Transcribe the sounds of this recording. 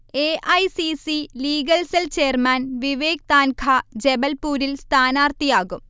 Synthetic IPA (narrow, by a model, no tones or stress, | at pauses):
eːʔɐjsisiliːɡɐlselt͡ɕeːrmaːnʋiʋeːk̚t̪aːnkʰad͡ʑebɐlpuːɾilst̪ʰaːnaːrt̪ijaːɣum